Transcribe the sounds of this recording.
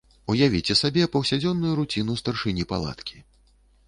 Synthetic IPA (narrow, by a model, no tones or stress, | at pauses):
ujavʲit͡sʲɛsabʲɛpɐwsʲad͡zʲɔnːujuɾut͡sʲinust̪ɐrʂɨnʲipa̰lˠa̰t̪kʲi